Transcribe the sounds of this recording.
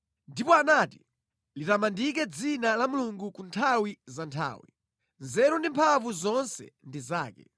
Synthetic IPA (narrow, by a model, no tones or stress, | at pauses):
ndipɔanaːti̥̰ | litamandik̬ɛd͡zinalamuluŋɡukuntʰawizantʰa̰ːwḭ | nzɛɾɔndimpʰavuzɔnsɛ̰ndizaːkɛ̰